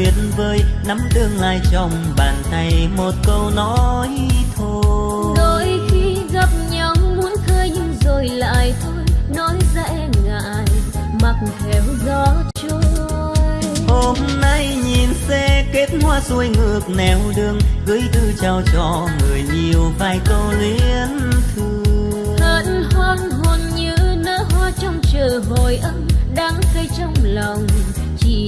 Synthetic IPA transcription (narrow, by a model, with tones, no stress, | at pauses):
i˨˩ət̚n̩vəː˧jna˨˦mɗɨ˧əŋla̰ː˧˨jt͡ɕɔ˧wŋ͡m | ɓaː˨˩nt̪a˧jmo˨˩t̚kə˧wnɔ˨˦jt̪ʰo˧ | ɗo˧˩jxi˧ | ɣa˨˧˩p̚ɲa˨˦wŋ͡mmu˨˦ənkəː˧jɲɨ˧ŋzo˧˩jla̰ː˧˨jt̪ʰo˧jnɔ˨˦jza˧˥˧ŋa̰ː˧˨jma˨˩k̚fʰɛ˨˩wzɔ˧˦t͡ɕo˧ | jho˧mna˧jɲi˨˩nsɛ˧ke˦˥t̚hwaː˧zu˧əjŋɨ˧˩ək̚nɛ˨˩wɗɨ˧əŋɣɨ˨˦jt̪ɨ˧t͡ɕaː˧˩wt͡ɕɔ˧˩ŋɨ˨˩əjɲi˨˩əwvaː˧jkə˧wli˧˦ənt̪ʰɨ˧ | ə˧nhɔ˧nɦo˧˩nɲɨ˧˥nə̰ː˧˥ɦwaː˧t͡ɕɔ˧wŋ͡mt͡ɕəː˨˩ɦo˨˩jʔə˧nɗaː˨˦ŋkə˧jt͡ɕɔ˧wŋ͡mlɔ˨˩wŋ͡m | t͡ɕi˧˩